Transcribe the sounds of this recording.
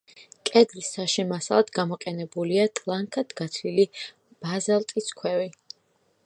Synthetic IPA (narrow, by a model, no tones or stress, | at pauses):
kʼɛd̪lisːaʃɛmasa̰lˠad̪̥ɡamɔqʼɛnɛbuliat̪ʼlˠaŋkʰad̪̥ɡat̪ʰili | b̥azalˠt̪ʼiskʰwɛvi